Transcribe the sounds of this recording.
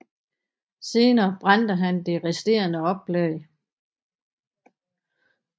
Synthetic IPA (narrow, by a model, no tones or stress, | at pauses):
se̝ːnɐːb̥ʁɑnd̥əɦænd̥e̝ʁɛsd̥e̝̰ːɐnəɒ̽b̥leɪ